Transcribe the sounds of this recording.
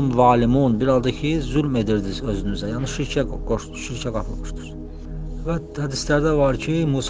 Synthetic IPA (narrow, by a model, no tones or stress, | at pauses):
nvɑːlimunbiɾɑlˠd̪ɑcʰizylme̞d̪iɾd̪izø̞zynyzæjɑːniʃiɾcʰæɡoʃ | ʃiɾcʰæɡɑpʰɯlˠmɯʃd̪u̥ɾ̥ | væ | hæd̪islæɾd̪ævɑɾcʰimuːs